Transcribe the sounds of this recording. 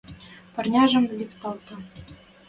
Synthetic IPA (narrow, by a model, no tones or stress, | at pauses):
pɤ̆rnʲɑʒɤ̆mlʲipt̪ɑlˠt̪ɑ̆